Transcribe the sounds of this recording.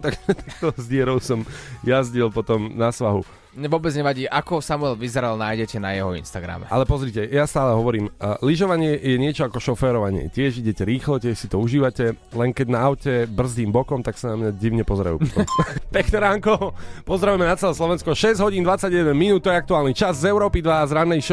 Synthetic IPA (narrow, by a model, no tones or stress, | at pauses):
t̪akt̪akt̪ɔzɟɪɛɾɔʊsɔmjazɟilˠpɔt̪ɔmnasʋaɦṵ | ɲɛʋʊɔbɛd͡zɲɛʋaɟiːʔakɔsamuɛlʋizɛɾalnajɟɛcɛnajɛɦɔḭnst̪aɡɾa̰mɛ̰ʔa̰lɛpɔzɾiːcɛjast̪aːlɛɦɔʋɔɾiːmliʒɔʋaɲɪɛjɛɲɪɛt͡ʃɔakɔʃɔfɛːɾɔʋaɲɪɛ̰cɪɛʒiɟɛcɛɾiːxlɔcɪɛʃsit̪ɔuʒiːʋacɛ | lɛŋkɛɟnaːʊcɛbr̩zd̪iːmbɔkɔmt̪aksanamɲaɟiʊɲɛpɔzɾa̰jṵpt̪pɛknɛɾaːŋkɔpɔzɾaʋujɛmɛnat͡sɛlɛːslɔʋɛnskɔʃɛzɟɦɔɟiːnd̪ʋat͡sːaɟjɛd̪ɛnminuːt̪t̪ːɔjɛak̚t̪uaːlnit͡ʃazzɛʊɾɔːpid̪ʋazɾanːɛjʃ